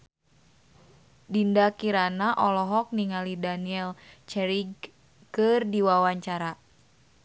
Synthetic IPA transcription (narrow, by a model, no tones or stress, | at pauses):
dindakiɾanaʔɔlɔɦɔk̚niŋalidaniɛlt͡ʃɛɾiɡ | kɨrdiwawaɲt͡ʃaɾa